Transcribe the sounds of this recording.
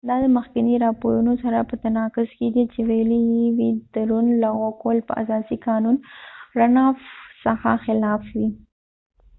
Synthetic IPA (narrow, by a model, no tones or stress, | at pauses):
d̪ɑd̪əməxkɪniɾɑpoɾunosaɾapət̪anɑkʊzkeɡ̪it͡ʃewajəlewid̪̥əɾunlaɣokolpə̰a̰sɑsikɑnunɾanɑfsəxa̰xɪlɑfwi